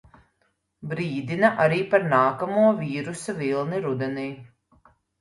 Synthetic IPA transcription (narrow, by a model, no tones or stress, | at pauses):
bɾiːd̪inɐʔaɾiːpaɾnaːkamuɔviːɾusavilˠniɾud̪ɛniː